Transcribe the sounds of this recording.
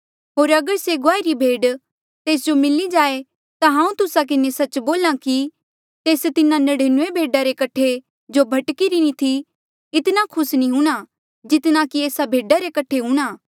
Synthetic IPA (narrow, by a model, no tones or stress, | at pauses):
ɦoːɾɐɡəɾseɡoaːiɾibʱeːɖ | t̪eːs̬d͡ʒomɪlid͡ʒaːe | t̪aɦãːũt̪ʊsak̬ɪnesɐt͡ʃboːlãki | t̪eːst̪ɪnãnɐɽeːnuebʱeːɖaɾekɐʈʰe | d͡ʒobʱɐʈkiɾinĩt̪ʰi | ɪt̪nakʰʊsnĩɦũːɽ̃a | d͡ʒɪt̪nãkieːsabʱeːɖaɾekɐʈʰeɦũːɽ̃aː